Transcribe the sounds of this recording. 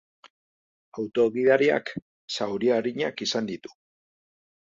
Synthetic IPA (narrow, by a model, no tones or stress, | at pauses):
awt̪o̞ɣiðaɾia̰k | sawɾiaɾiɲakisand̪it̪u̥